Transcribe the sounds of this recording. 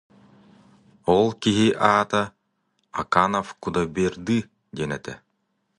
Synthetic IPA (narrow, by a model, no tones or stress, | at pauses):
ɔlˠkiɦiʔaːt̪a | ɐ̰kanɔfkud̪abiɾd̪i | d͡ʑɛnɛt̪ɛ̰